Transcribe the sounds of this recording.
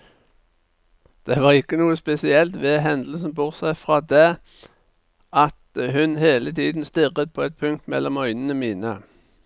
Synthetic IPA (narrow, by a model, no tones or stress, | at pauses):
d̪̥ɛʋɑːʁɪkːənuːəspɛsɪɛlt̪ʋɛːɦɛnd̪l̩sn̩bʊʁt̪sæɪfʁɑːd̪eː | ʔɑt̪hʉnheːlət̪ʰiːd̪n̩st̪ɪʁət̪̚pʰoːɛt̪̚pʰʉŋk̚t̪mɛ̰lːɔmœʏnənəmiːnə̰